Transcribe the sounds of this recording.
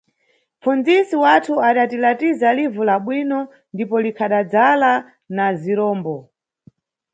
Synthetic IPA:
fund͡zisiwatʰuaɗatilatizalivulaɓwinɔ | ndipɔlikʰaɗad͡zala | naziɾɔːmbɔ

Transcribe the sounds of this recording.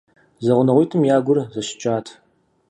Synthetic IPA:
zɐʁʷʊnɐʁʷijtʰɨmjaːɡʷʊrzɐɕɪ̥t͡ʃʼaːtʰ

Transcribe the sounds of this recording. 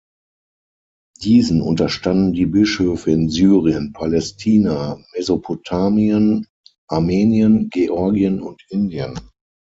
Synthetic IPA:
d̥iːzn̩ʔʊ̰ntɐʃtandn̩diːbɪʃhøːfəɪnzyːʁiənpʰalɛstʰiːnamɛzopʰotʰaːmiən | ʔaɐmeːniənɡeʔɔɐɡiənʊntʔɪndiə̰n

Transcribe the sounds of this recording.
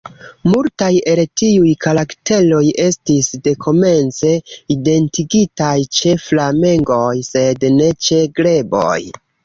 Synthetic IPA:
multaje̞ltiujkaɾakte̞lo̞je̞stisde̞kʰo̞me̞nt͡se̞ide̞ntiɡitajt͡ʃe̞flame̞ŋɡo̞jse̞dne̞t͡ʃe̞ɡɾle̞bo̰j

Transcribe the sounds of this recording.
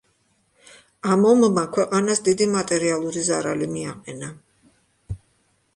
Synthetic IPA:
amɔmːakʰwɛqʼanasd̪id̪imat̪ʼɛɾialˠuɾizaɾalimiaqʼɛna

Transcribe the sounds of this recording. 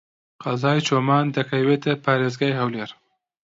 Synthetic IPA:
qɐzaːjt͡ʃʰoːmaːnd̪ɐkʰɐweːt̪ɐpʰaːɾeːzɡaːjhɐwleːɾ

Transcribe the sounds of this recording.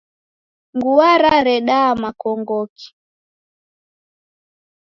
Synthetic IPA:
ŋɡuaɾaɾɛɗaːmakɔŋɡɔki̥

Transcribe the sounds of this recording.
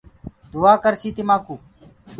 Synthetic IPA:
d̪uaːkəɾsiːt̪imaːkuː

